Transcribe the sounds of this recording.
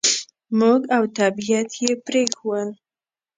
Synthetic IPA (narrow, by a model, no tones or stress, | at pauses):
muɡawt̪ʰabijat̪ʰjepɾexwən